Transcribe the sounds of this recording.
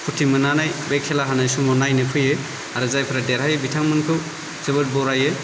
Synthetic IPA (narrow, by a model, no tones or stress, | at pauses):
pʰutʰimɯnanajbekʰːelaɦanajsumɔnajnɯkʰɯjɯ | aɾɯzajpʰɯɾadeɾhajɯbitʰaŋmɯnkʰɯw | zɯbɯt̚bɔɾajɯ